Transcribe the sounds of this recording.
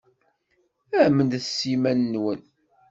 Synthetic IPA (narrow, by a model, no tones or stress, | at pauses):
æmənd̪θsːimænːwən